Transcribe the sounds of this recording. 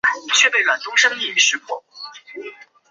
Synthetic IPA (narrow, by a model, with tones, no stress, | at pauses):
t͡ɕʰɥɛ˥˧pe˥˩ɪɻwa˨˩nt̪ʊ˥ŋʂɤ˥ŋi˥˧y˥˩ʂɻ̩˧˥kwɔ˥˦